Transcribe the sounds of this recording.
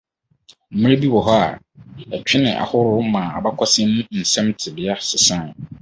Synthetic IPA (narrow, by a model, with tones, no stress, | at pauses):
m̩˨mɪ̃˦ɾe˦bi˦wɔ˨ɦɔ˦a̰˨ | ɛ˨t͡ɕᶣʰɪ˦nɪ̰̃˨ʔa̰˨hʊ˦ɾʊ˦mã˨a˨ba˦kʷʰɔ˦sɪ̃˦nʊ̃˦n̩˨sɛ̃˦mtʰɪ˨bɪ˨a˦sɪ˨sã˦˨